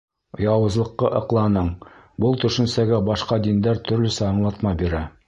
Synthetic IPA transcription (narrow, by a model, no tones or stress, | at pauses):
jɑwɤ̆zlˠɤ̆qːɤʔɤ̆qlˠɑnɤɴ | bɤlˠt̪ɵ̆ʃɘ̆nsæɡæbɑʃqɑd̪ind̪æɾt̪ɵ̆ɾlɵ̆sæɑɴlˠɑt̪mɑbiɾæ